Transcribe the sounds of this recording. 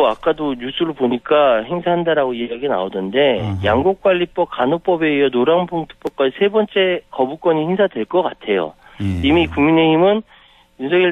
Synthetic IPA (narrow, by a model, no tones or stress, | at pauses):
oak͈adoɲusʰɯɾopoɲik͈ahe̞ŋsʰaɦandaɾaɡoiaɡina̰onɯnde̞jaŋɡuk̚k͈waʎːip͈ʌp̚kanop͈ʌbe̞ijʌnoɾampʰoŋtʰɯ̥p͈ʌp̚k͈ad͡ʑisʰe̞bʌnt͡ɕ͈e̞kʌbuk͈ʌɲihe̞ŋsʰadwe̞ɭk͈ʌk͈atʰe̞jo̰ | imikuŋmineimɯn | unsʰeɡi